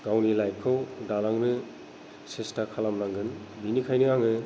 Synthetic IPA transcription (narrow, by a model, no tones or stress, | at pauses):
ɡawnilajkʰɯwdalaŋnɯ | sestakʰalamnaŋɡɯn | binikʰajnɯaŋɯ